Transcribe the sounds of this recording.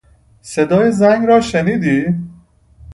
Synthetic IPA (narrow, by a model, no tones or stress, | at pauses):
sed̪ɒːjezæŋɡɾɒːʃeniːd̪iː